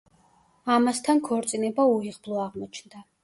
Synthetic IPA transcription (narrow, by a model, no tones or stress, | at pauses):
amast̪ʰankʰɔɾt̪sʼinɛbauiʁblˠɔaʁmɔt͡ʃʰnd̪a